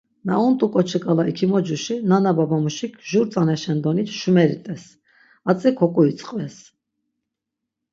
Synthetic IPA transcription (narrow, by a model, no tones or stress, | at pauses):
naunt̪ʼukʼɔt͡ʃʰəkʼalaikʰimɔd͡ʒuʃinanababamuʃikʰʒuɾt͡sʼanɛʃɛnd̪ɔnit̪ʃumɛɾit̪ʼɛs | at͡sʼikʰɔkʼuit͡sʼqʼvɛs